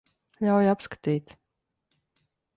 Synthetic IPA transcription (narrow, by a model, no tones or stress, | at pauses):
lʲawjapskḁt̪iːt̪